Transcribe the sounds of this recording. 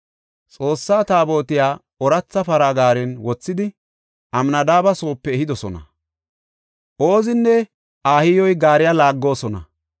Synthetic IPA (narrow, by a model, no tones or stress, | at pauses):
t͡sʼo̞ːsːaːt̪aːbo̞ːt̪ɪjaː | ɔɾɐt͡sːɐfɐɾaɡaːɾɛnwɔt͡sːɪd̪ɪ | ʔɐmnɐd̪aːbɐso̞ːpːɛːɦɪd̪ɔsɔnɐ̰ | ʔoːzɪnːɛ | ʔaːhɪjɔjɡaːɾɪjalaːɡːo̞ːsɔnɐ̰